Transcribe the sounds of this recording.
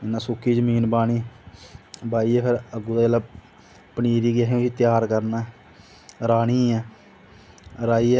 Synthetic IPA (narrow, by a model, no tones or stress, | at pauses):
ɪnːãːsʊkʰːiːzəmiːnbaːɽ̃iː | baːiːɛːpʰɪɾəɡuːd̪aːla | pəniːɾiːɡɪaɦeiːt̪ɪjaːɾkəɾnaː | ɾaːɽ̃iːɛː | ɾaːiːɛ